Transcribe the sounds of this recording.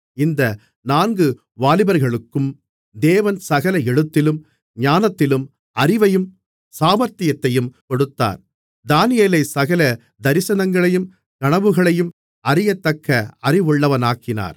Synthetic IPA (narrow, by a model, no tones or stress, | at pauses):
ɪnd̪ɐ | naːnɡɯ | ʋaːlɪbɐɾɣɐɭɯkːɯm | d̪eːʋɐnsɐɣɐlɐɛɻɯt̪ːɪlɯm | ɲaːnɐt̪ːɪlɯm | ɐrɪʋɐjɯm | saːmɐɾt̪ɪjɐt̪ːɐjɯmkɔɽɯt̪ːa̰ːɾ | d̪aːnɪjeːlɐɪsɐɣɐlɐ | d̪ɐɾɪsɐnɐŋɡɐɭɐjɯm | kɐɳɐʋɯɣɐɭɐjɯm | ɐrɪjɐt̪ːɐkʰːɐɐrɪʋɯɭːɐʋɐnaːkːɪna̰ːɾ